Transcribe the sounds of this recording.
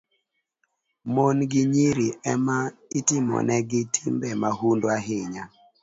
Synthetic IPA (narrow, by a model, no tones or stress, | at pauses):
monɡɪɲiɾiʔɛmaɪtɪmɔ̰nɛɡɪtʰimbɛmahundwaɦɪɲa